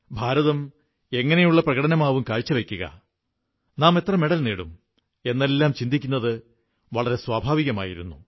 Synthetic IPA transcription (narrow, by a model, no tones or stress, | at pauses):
bʱaːɾɐðɐm | e̞ŋːɐne̞juɭːɐprɐɣɐɽɐnɐmaːʋumkaːɻt͡ɕːɐʋe̞kʲːuɣɐ̰ | naːme̞t̪rɐmeɽɐlneːɽum | e̞nːe̞lːaːmt͡ɕind̪ikʲːunːɐðɨ | ʋɐɭɐɾe̞swaːbʱaːʋiɣɐmaːjiɾṵnːu